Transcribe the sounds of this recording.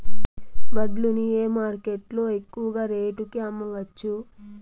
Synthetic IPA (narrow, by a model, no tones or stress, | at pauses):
bɐɖlunieːmaːɾkeʈlo̞ːe̞kːuʋɐɡaːɾeːʈukiɐmːɐʋɐt͡ʃːu